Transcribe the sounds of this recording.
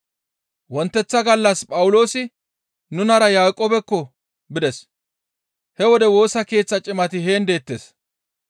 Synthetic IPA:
wɔnt̪ːɛt͡sːɐɡɐlːɐspʼɐwʊlo̞ːsɪ | nʊnɐɾɐjaːkʼːoːbɛkːɔ | bɪd̪ɛs | hɛwɔd̪ɛwo̞ːsɐke̞ːt͡sːɐt͡ʃʼɪmɐt̪ɪɦe̞ːnd̪e̞ːt̪ːes

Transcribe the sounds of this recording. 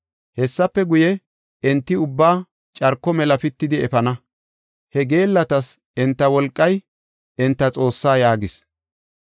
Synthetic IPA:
hɛsːɐpːɛɡʊjɛ | ɛnt̪ːɪʊbːaː | t͡ʃʼɐɾkːɔmɛlɐfɪt̪ːɪd̪ɪɛfɐnɐ | hɛɡe̞ːlːɐt̪ɐs | ɛnt̪ːɐwɔlkʼːɐj | ɛnt̪ːɐt͡sʼo̞ːsːaːjaːɡɪs

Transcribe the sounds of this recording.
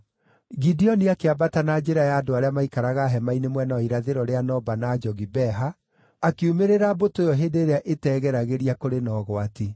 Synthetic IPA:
ɣidiɔniakeabatanad͡ʑeɾajaːdoaɾeamaikaɾaɣaɦɛmainemwɛnaɔiɾaðeɾɔɾeanɔbanad͡ʒɔɣibɛɦaː | kiumeɾeɾabotojɔɦedeːɾeaʔetɛːɣɛɾaɣeɾiakoɾenɔːɣɔati

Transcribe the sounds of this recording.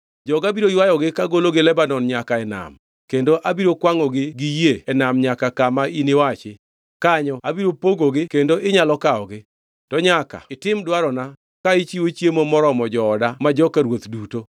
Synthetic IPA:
d͡ʒɔɡabiɾoijwajɔɡɪkaɡoloɡɪlɛbanɔnɲakaɛna̰m | kendoʔabiɾokwaŋɔɡɪɡɪjeɛnamɲakakamainɪwat͡ʃɪ | kaɲɔabiɾopoɡoɡɪkendoʔɪɲalɔkaɔɡɪ | tɔɲaka̰ɪtɪmdwaɾɔna | kait͡ʃiwot͡ʃjemomɔɾɔmɔd͡ʒɔːdamad͡ʒɔkaɾwot̪duto

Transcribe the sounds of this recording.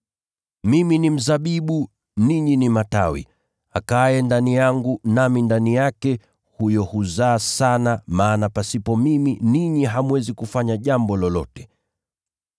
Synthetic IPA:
miminim̩zaɓiɓu | niɲinimata̰wḭ | akajɛndanijaŋɡunamindanijakɛ | hujɔhuzaːsanamaːnapasipɔmiminiɲiɦamuwɛzikufaɲaʄambɔlɔlɔ̰tɛ̥

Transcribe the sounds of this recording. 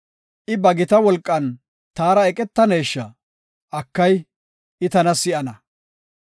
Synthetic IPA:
ʔɪbɐɡɪt̪ɐwɔlkʼːɐn | t̪aːɾɐɛkʼɛt̪ːɐnejːʃːɐ | ɐkːɐj | ɪt̪ɐnɐsɪʔɐnɐ

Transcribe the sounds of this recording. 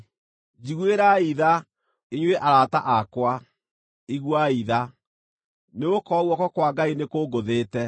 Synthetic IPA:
d͡ʒiɣweɾaiða | iɲwɛʔaɾataʔakwa | iɣwaiða | neokɔɣwɔkɔkwaɡainekoɡoðeːtɛ

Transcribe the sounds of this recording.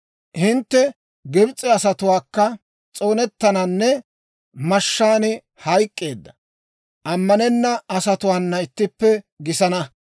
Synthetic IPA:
hɪnt̪ːɛ | ɡɛbt͡sʼːɛɐsɐt̪ʊwaːkːɐ | t͡sʼo̞ːnɛt̪ːɐnɐnːɛ | mɐʃːaːnɪ | hɐjkʼːeːd̪ːɐ̥ | ʔɐmːɐnɛnːɐɐsɐt̪ʊwaːnːɐɪt̪ːɪpːɛ | ɡɪsɐnɐ

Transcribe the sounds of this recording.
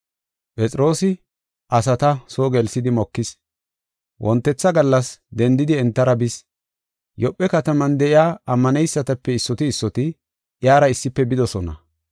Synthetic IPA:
pʼɛt͡sʼɪɾo̞ːsɪ | ʔɐsɐt̪ɐsoːɡɛlsɪd̪ɪmɔkːɪs | wʔɔnt̪ːɛt͡sːɐɡɐlːɐsd̪ɛnd̪ɪd̪ɪɛnt̪ːɐɾɐbɪs | jɔpʼːɛkɐt̪ɐmɐnd̪ɛʔɪjaːɐmːɐnɛjsːɐt̪ɐpːɛɪsːɔt̪ɪːsːɔt̪ɪ | ʔjaːɾɐɪsːɪpːɛbɪd̪ɔsɔnɐ̰

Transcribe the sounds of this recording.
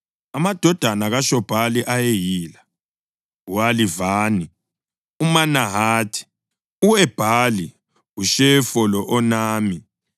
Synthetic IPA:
amad̥ʱɔd̥ʱanaɣaʃɔb̥ʱaliʔajejiːla | ualivaːni | umanaɦaːtʰi̥ | uɛb̥ʱali | ɣuʃɛfɔlɔʔɔnaːmi

